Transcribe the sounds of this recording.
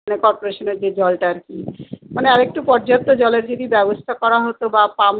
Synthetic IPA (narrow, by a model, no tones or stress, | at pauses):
nekɔɾpoɾeʃoneɾd͡ʑed͡ʑɔlʈaɾkimaneaɾek̚ʈupɔɾd͡ʑat̪ːod͡ʑɔleɾd͡ʑod̪ibɛbost̪ʰakɔɾaɦot̪obapam